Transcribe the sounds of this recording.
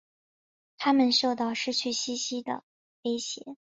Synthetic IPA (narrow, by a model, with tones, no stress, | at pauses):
t̪ʰa˥mə˨nʂo˥˧ʊt̪ɑ˥˧ʊʂɻ̩˥˩t͡ɕʰy˥˩ɕi˥ɕi˥d̪ə̰˨ | we˥ɪɕjɛ̰˨˧˩